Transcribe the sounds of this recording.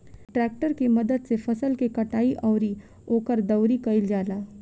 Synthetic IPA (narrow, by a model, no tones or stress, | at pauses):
ʈɾɛːk̚ʈəɾkimɐd̪əd̪sefʰɐsəlkekɐʈaːiʔɔːɾi | oːkəɾd̪ɐʊɾikɐɪld͡ʒaːlaː